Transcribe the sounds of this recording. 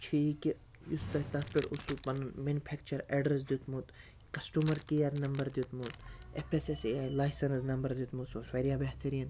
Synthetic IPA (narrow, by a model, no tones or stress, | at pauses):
t͡ʃʰiiki | just̪ɐʈaspiʈusupɐnmenupʰeːkt͡ʃɐɾeːɖɾes̬d̪it̪mut̪ | kɐsʈumɐɾkijɐɾnɐmbɐɾd̪it̪mut̪epʰesesaːjlaːjsɐnsnɐmbɐɾd̪jut̪musosweɾijabeɦt̪ʰɐɾiːn